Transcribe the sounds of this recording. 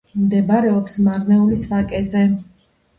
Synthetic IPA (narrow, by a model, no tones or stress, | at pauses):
md̪ɛbaɾɛɔpsmaɾnɛulisvakʼɛzɛ